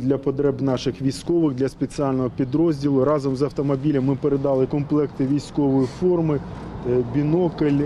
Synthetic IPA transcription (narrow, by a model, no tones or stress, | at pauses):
d̪lʲɐpɔd̪ɾɛbnɑʃɪxʋʲijsʲkɔʋɪxd̪lʲɐspet͡sʲiɑlʲnɔɦɔpʲid̪ɾɔzʲdʲilˠʊɾɑzɔmzɐwt̪ɔmɔbʲilʲɐmːɪpeɾed̪ɑlˠɪkɔmplˠɛkt̪ɪʋʲijsʲkɔʋɔjifɔrmɪ | bʲinɔkɪlʲ